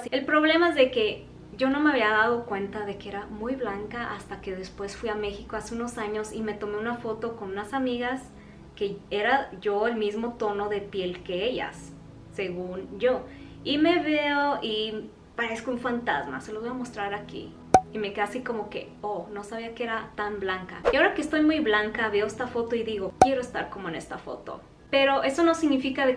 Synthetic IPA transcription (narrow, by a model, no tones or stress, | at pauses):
sie̞lpɾo̞βle̞maezðe̞ke̞ | ɟ͡ʝo̞no̞me̞aβ̞iaðaðo̞kwe̞nt̪aðe̞kee̞ɾamujβlaŋkaʔast̪ake̞ðespwe̞sfwiame̞xikoaseuno̞saɲo̞sime̞t̪o̞me̞unafo̞t̪o̞ko̞nũnasamiɣas | ke̞eɾaʝo̞e̞lmizmo̞t̪o̞no̞ðe̞pje̞lke̞eʝa̰sː | e̞ɣunɟ͡ʝo̞ | ime̞βe̞oi | paɾeskouɱfant̪a̰zma̰se̞loβojamo̞st̪ɾaɾakḭ | ime̞keasiko̞mo̞ke̞̰ | ono̞saβiakee̞ɾat̪amblaŋka̰jiao̞ɾakest̪o̞jmujβlaŋkaβeoe̞st̪afo̞t̪o̞iðiɣo̞kje̞ɾoest̪a̰ɾkomoene̞̰st̪afo̞̰t̪o̞̰ | pe̞ɾo̞ʔe̞so̞no̞siɣnifikaðe